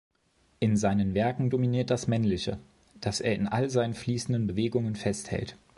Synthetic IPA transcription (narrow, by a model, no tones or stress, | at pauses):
ʔɪnzaɪnənvɛɐkŋ̩dominiːɐt̚d̥asmɛnlɪçə̰ | d̥asḛːɐɪnʔa̰lzaɪnənfliːsn̩dənbəveːɡʊŋənfɛsthɛ̰lt